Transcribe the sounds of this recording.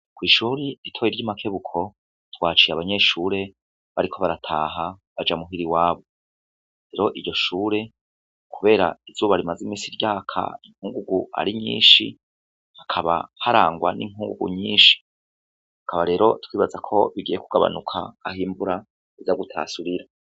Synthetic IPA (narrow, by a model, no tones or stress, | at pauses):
kwiːʃuːɾiitʰo̞jiɾɟimakʰe̞βukʰo̞ | twaːt͡ʃiaβaɲe̞ʃuːɾe̞ | βaɾikʰo̞βaɾatʰaːɦaβad͡ʒamuɦiɾiwaːβo̞ | ɾe̞ɾo̞ʔiɾɟo̞ʃuːɾe̞ | kʰuβe̞ːɾa̰izuːβaɾimazimiːsiɾjaːkʰa̰iŋ̥huːŋɡuɡua̰ɾiɲḭːnʃḭ | hakʰaβa̰haɾaːŋɡwanḭŋ̥huːŋɡuɡṵɲiːnʃi̥ | hakʰaβaɾe̞ːɾo̞twiːβazakʰo̞βiɡijekuɡaβa̰nukʰa̰ːhiːmbuɾa | izaɡutʰa̰ːsuɾiɾa